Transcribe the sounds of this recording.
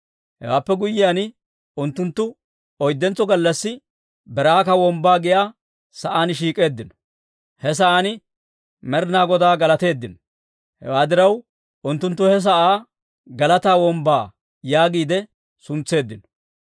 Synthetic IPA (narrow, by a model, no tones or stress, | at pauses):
hɛ̰waːpːɛɡʊjɪjaːn | ʊnt̪ːʊnt̪ːʊ | ɔjd̪ːɛnt͡sːɔɡɐlːɐsːɪ | bɛɾaːkɐwɔmbaːɡɪjaː | sɐʔaːnʃiːkʼe̞ːd̪ːɪnɔ̥ | hɛs̬ɐʔanɪ | mɛɾnaːɡɔd̪aːɡɐlɐt̪e̞ːd̪ːɪnɔ̥ | hɛ̰waːd̪ɪɾɐw | ʊnt̪ːʊnt̪̬ːʊhɛs̬ɐʔaː | ɡɐlɐt̪aːwɔmbaː | jaːɡiːd̪ɛ | sʊnt͡sːe̞ːd̪ːɪnɔ̥